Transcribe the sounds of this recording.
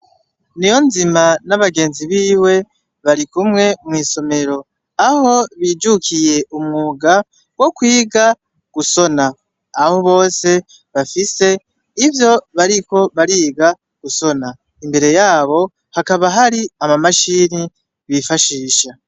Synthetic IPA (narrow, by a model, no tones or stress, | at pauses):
nijo̞nzimanaβaɡe̞ːnziβiːwe̞ | βaɾikumŋe̞mŋiːso̞me̞ɾo̞ | aho̞βiːd͡ʒukije̞ʔumŋuɡa | wo̞kwiːɡa | ɡ̥uso̞naː | ho̞βo̞ːse̞ | βafise̞ | ivjo̞βaɾiko̞βaɾiːɡa | ɡ̥uso̞na | imbe̞ɾe̞jaːβo̞ | hakaβaɦaɾiamamaʃiːni | βifaʃiːʃa